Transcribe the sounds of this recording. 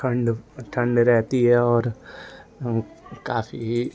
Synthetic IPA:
ɐ̃ɳɖʈʰɐ̃ɳɖɾɛɦt̪iɦɛɔːɾ | kaːfiɦi

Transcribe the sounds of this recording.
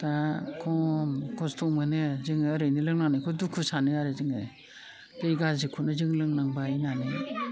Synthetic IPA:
takʰɔmkʰɔstʰɔmɯnɯzɯŋːɾɯjnilɯŋnanikʰɔdukʰusanɯaɾɯzɯŋɯ | tɯjɡazikʰunɯzɯŋlɯŋnaŋbajnani

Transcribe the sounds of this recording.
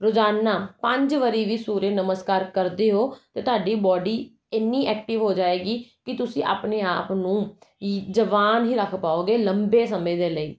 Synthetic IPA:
ɾʊd͡ʒaːnːaːpə̃ɲd͡ʒʋəɾiːʋiːsuːɾeːnəməskaːɾkəɾd̪eːɦoːt̪eːt̪ʊɦaːɖiːbɔːɖiː | ɪnːiːʔɛːk̚ʈɪʋɦoːd͡ʒaːeːɡiːkɪt̪ʊsĩːʔa̰ːpneːaːpnũː | d͡ʒəʋaːnɦiːɾəkʰpaːoːɡeːləmbeːsəmẽːd̪eːləḭː

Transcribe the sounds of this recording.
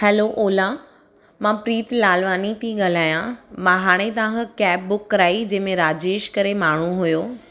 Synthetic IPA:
hɛːloʔoːla | mãpɾiːt̪laːlʋaːnit̪ʰiɠɐl̤aːjãmãːɦaːɽ̃et̪ɐʋãkʰkɛːp̚bʊkːɐɾaːid͡ʑɐ̃ɦmẽɾaːd͡ʑeːʃkɐɾemaːɳ̤uɦʊjoː

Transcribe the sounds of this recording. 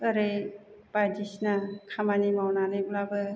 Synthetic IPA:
əɾej | padisnakʰamanimawnanɯblabɯ

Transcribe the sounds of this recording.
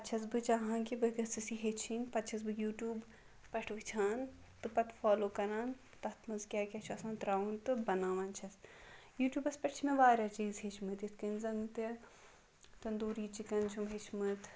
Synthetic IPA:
pɐt̪t͡ʃʰɐsbɨt͡ʃaɦãːkibɨɡɐsɨsiɦet͡ʃʰinpɐt̪ːt͡ʃʰɐs̬bɨjuːʈjuːb | pɐʈʰʋɨt͡ʃʰaːn | t̪ɨpɐt̪faːloːkɐɾaːn | t̪ɐt̪ʰmɐnzkʲaːkʲɐt͡ʃʰɐsãːnt̪ɾaːʋunt̪ɨbɐnaːʋɐnt͡ʃʰɐsjuːʈʲjuːbɐspʲɐʈt͡ʃʰmẽʋaːɾʲaːt͡ʃiːzɦet͡ʃʰmɨt̪it̪ʰkɐnzɐŋɡt̪e | t̪ɐnd̪uːɾiːt͡ʃikɐnt͡ʃʰumɦet͡ʃʰmɨt̪

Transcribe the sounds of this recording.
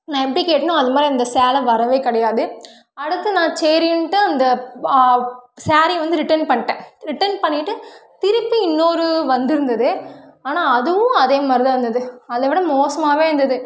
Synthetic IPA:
nãːɛpːɐɽikeːʈːɐnõːɐðɐmaːd̪ɾiɐnd̪ɐsaːlɐʋɐɾɐʋeːkɪɽɐjaːðɯ | ɐɽɯt̪ːɯnãːt͡ʃeːɾɪnʈːɯɐnd̪ɐ | saːɾiʋɐnd̪ɯɾɪʈɐnpɐɳːɪʈːẽːɾɪʈːɐnpɐɳːɪʈːɯt̪ɪɾɯpːɯɪnːoːɾɯʋɐnd̪ɪɾɯnd̪ɐðɯaːnaːɐðɯʋʊ̃ɐðeːmaːɾɪðɐʋɐnd̪ɐðɯɐðɐʋɪɽɐmoːsɐmaːʋeːɾɯnd̪ɐðɯ

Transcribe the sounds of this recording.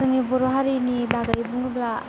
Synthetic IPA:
ɯŋibuɾoɦaɾinibaɡaɾibuŋubla

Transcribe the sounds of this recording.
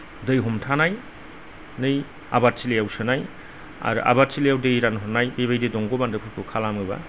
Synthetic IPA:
dɯjɦɔmtʰanaj | nɯj | a̰bat̚sʰilejawsɯnaj | a̰ɾ̰ʔa̰bat̚silejawdɯjɾanɦɔnːajbeβajdidɔŋɡɔbandɯpʰɯpʰukʰalamɯba̰

